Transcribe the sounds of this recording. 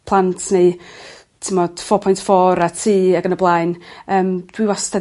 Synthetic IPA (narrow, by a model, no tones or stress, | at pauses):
pʰlˠantʰne | tʰɪmɔd̥fɔpʰɔjntfɔɾatʰiːaɡənəblˠaɨnəːmd̥wiwasta